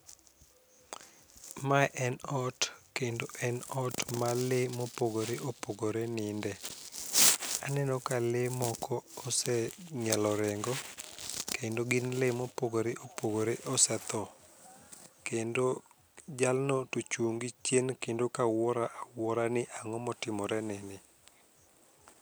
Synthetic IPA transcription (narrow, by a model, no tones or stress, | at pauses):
maʔɛnɔtkendoʔɛnɔtmalemopoɡoɾeʔopoɡoɾenɪndɛ | anɛnɔkalemɔkʰɔːsɛɲɛlɔɾɛŋɡɔkʰendoɡɪnlemopoɡoɾeʔopoɡoɾeʔɔsɛt̪ɔ | kendo | d͡ʒalnɔtot͡ʃuŋɡit͡ʃjenkendokawɔɾaʔawɔɾanɪʔaŋɔmɔtɪmɔɾɛnɪnɪ